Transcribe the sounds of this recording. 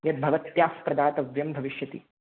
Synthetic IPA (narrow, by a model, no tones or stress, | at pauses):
jɐt̪̚bʱɐʋɐt̪jaːspɾɐd̪aːt̪ɐʋjɐmbʱɐʋiʃjɐt̪ḭ